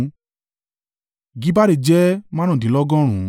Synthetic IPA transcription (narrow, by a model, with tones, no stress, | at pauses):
ɡi˨˦ba˦ɾe˧˨d͡ʒɛ˦mã˦ɔ̃˦˨dĩ˨˦lɔ˦ɡɔ̃˦ɾ̃ũ˨˦